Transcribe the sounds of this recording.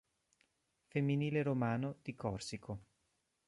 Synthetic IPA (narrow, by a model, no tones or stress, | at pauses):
femːiniːleɾomaːnod̪̥ikɔrsikʰo